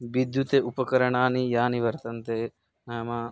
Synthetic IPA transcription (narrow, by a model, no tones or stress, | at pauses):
ʋid̪ʱjut̪eʔupɐkɐɾɐɳaːnijaːniʋɐɾt̪ɐnt̪e | nɐjɐmaː